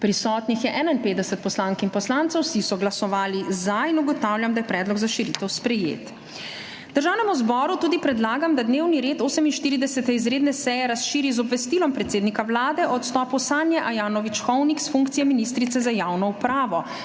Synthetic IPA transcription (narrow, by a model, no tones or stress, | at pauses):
pɾisɔːt̪nixjɛʔɛːnainpeːd̪ɛsɛt̪̚pɔslaːŋkinpɔslaːnt̪sɔwsisɔɡlasɔʋaːlizajinuɡɔt̪awljamd̪ajɛpɾɛːd̪lɔɡzaʃiɾit̪ɛwspɾɛjḛːt̪ | d̪əɾʒaːwnɛmuzbɔːɾut̪uːd̪ipɾɛd̪laːɡamd̪ad̪neːwniɾeːt̪oːsɛminʃt̪iːɾid̪ɛsɛt̪ɛizɾeːd̪nɛsɛjɛɾasʃiːɾizɔbʋɛst̪iːlɔmpɾɛt̪seːd̪nikawlaːd̪ɛʔɔt̪st̪ɔːpɔsaːnjɛʔajaːnɔʋit͡ʃxɔwniksfuŋkt̪sijɛminis̬t̪ɾit̪sɛzajaːwnɔupɾaːʋɔ